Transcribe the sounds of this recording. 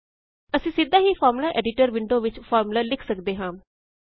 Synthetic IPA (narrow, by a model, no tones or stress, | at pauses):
əsĩːsɪd̪ãːɦiːpʰɔːɾmlaːʔɛːɖɪʈəɾʋɪɳɖoːʋɪt͡ʃpʰɔːɾmlaːlɪkʰsəkd̪eːɦãː